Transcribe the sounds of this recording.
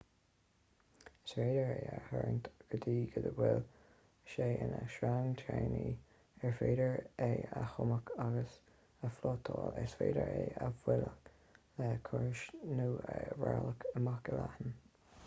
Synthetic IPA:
sweːdəɹeːəhəɹənt̪ɡ̥əd̪iːɡəd̪əwɪl | ʃeːʔɪnəʃɾaŋt̪ʰɹeːni | ɛɹfeːdəɹeːəxʊməkʰaɡəs | əflɔːt̪ʰɔːlɛsfeːdəɹeːəvwɪlək | lɛkʰʊɹʃnuːəwaləkʰəmakəlahən

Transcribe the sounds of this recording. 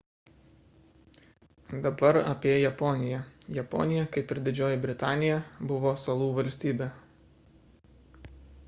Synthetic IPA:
d̪ɐbɐɾɐpʲiɛjɛpɔːnʲɪjɛjɛpɔ̰ːnʲɪjɛkɐɪpɪɾd̪ʲɪd͡ʒʲoːjɪbʲɾʲɪt̪ɑːnʲɪjɛbʊʋoːsɐlˠuːʋɐlʲsʲt̪ʲiːbʲɛ

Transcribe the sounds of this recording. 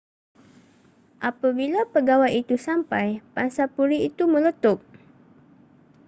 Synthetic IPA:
ʔapabilapəɡawajit̪usampajpansapuɾiit̪umələt̪ʊk̚

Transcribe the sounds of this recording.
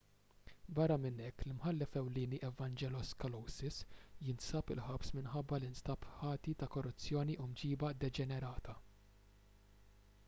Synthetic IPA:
bɐrːɐmɪnɛkːlɪmħɐlːɛfɛwliːniʔɛvɐnd͡ʒɛlɔskɐlɔwsɪsjɪnsɐpɪ̰lħɐpsmɪnħɐbːɐlɪnst̪ɐpħɐːt̪it̪ɐkɔrːʊt͡sːjɔːniʔumd͡ʒiːbɐd̪ɛd͡ʒɛnɛɾɐːt̪ɐ

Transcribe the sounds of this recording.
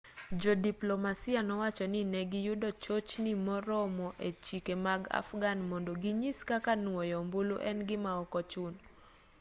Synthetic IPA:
d͡ʒɔdiplomasianɔwat͡ʃɔnɪnɛɡɪjudɔt͡ʃot͡ʃnimɔɾɔmɔʔet͡ʃikemaɡa̰fɡanmɔndoɡiɲiskakanwɔjɔmbuluʔɛ̰nɡɪmaɔkɔt͡ʃʊn

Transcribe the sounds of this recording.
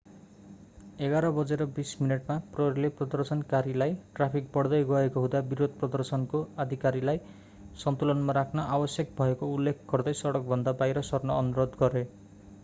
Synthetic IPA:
eɡaɾʌbʌd͡zeɾʌbismineʈmaprʌɾileprʌd̪ʌrsʌnkaɾilajʈrapʰik̚bʌɽd̪ʌjɡʌekoɦud̪abiɾod̪̚ʱprʌd̪ʌrsʌnkoad̪ʱikaɾilaj | sʌnt̪ulɔnmaɾakʰnʌʔabʌsjʌkbʱʌekoulːekʰɡʌrd̪ʌjsʌɽʌk̚bʱʌnd̪abajɾʌsʌrnʌːnuɾod̪ɡʌɾe

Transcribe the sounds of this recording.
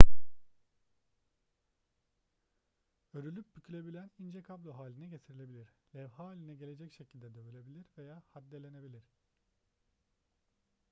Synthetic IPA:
øɾylʲyp̚bycʰylʲe̞bilʲænind͡ʒɛkʰablʲˠoɦaːlʲinɛɟet̪ʰiɾilʲe̞bilʲiɾlʲɛvɦaːlʲinɛɟe̞lʲe̞d͡ʒɛcʃecʰilʲd̪ɛd̪ɛbølʲe̞bilʲiɾve̞jaːhad̪ːelʲe̞ne̞bilʲiɾ̥

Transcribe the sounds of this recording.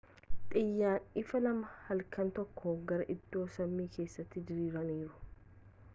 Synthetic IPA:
t̪ʼɪjːaːnɪfɐlɐmɐhɐlkɐnt̪ɔkʰːoːɡɐɾɐʔɪd̪̥ːo̞ːsɐmːiːkʰe̞ːsːɐt̪ːɪd̪ɪɾiːɾɐniːɾʊ̥

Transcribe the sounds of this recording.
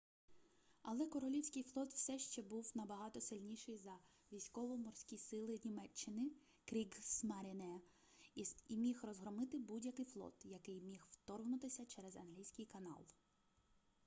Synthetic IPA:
ɐlˠɛkɔɾɔlʲiwsʲkɪjflˠɔt̪w̥sɛʃt͡ʃɛbuwnɐbɐɦɑt̪ɔsɪlʲnʲiʃɪjzɐ | ʋʲijsʲkɔʋɔmɔrsʲkʲisɪlˠɪnʲimɛt͡ʃːɪnɪ | kɾʲiɡsmɛɾʲɪnɛ | imʲixrɔzɦɾɔmɪt̪ɪbudʲjɐkɪjflˠɔ̰t̪jɐkɪjmʲixw̥t̪ɔrɦnʊt̪ɪsʲɐt͡ʃɛɾɛzɐnɦlʲijsʲkɪjkɐnɑ̰lˠ

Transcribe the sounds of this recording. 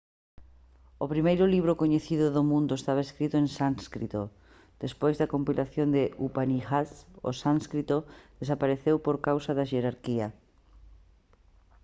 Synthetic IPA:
opɾimejɾʊliβ̞ɾokoɲeθiðʊðomũnd̪ʊest̪aβ̞aeskɾit̪ʊeŋsaŋskɾḭt̪o | d̪̥espojzðɐkompilʔaθjond̪ɪʔupanixaso̰sãŋskɾit̪oð̥esapaɾeθewpoɾkawsaðaʃeɾaɾkiɐ

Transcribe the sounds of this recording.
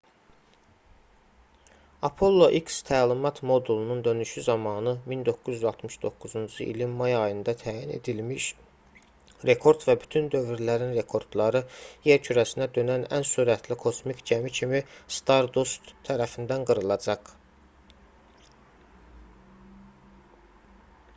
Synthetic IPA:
ɑpʰo̞lˠːoʔikst̪ʰæːlimɑt̪ʰmo̞d̪ulˠunund̪ønyʃyzɑmɑːnɯmind̪o̞kːuzyzɑlˠt̪ʰmɯʃd̪o̞kːuzund͡ʒɯʔḭlinmɑjɑjɯnd̪ɑt̪ʰæːjinḛd̪ilmiʃ | ɾe̞kʰo̞ɾd̪væbyt̪ʰynd̪ø̞vyɾlæɾinɾe̞kʰo̞ɾd̪̥lˠɑɾɯje̞ɾcʰyɾæsinæd̪ø̞nænæ̰nsuɾæt̪ʰlikʰo̞smikd͡ʒæmicʰimist̪ɑɾd̪ost̪ʰːæɾæfind̪ænɡɯɾɯlˠɑd͡ʒɑq

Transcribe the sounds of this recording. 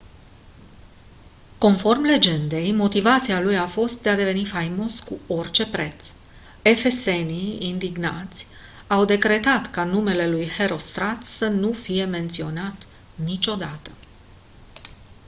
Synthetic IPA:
ko̞nfo̞rmle̞d͡ʒe̞nd̪e̞jmo̞t̪ivat̪sialujafo̞st̪̚d̪e̞ad̪e̞ve̞nifajmo̞skuo̞rt͡ʃe̞pɾe̞t̪s | e̞fe̞se̞niind̪iɡna̰t̪sʲ | awd̪e̞kɾe̞t̪at̪kanume̞le̞lujhe̞ɾo̞st̪ɾat̪sənufije̞me̞nt̪sio̞nat̪ | nit͡ʃo̞d̪at̪ə

